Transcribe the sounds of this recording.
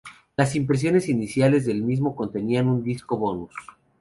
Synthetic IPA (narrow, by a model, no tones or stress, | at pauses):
las̬impɾe̞s̬jo̞ne̞sinisjale̞zðe̞lmizmo̞ko̞nt̪e̞nianund̪isko̞βo̞nus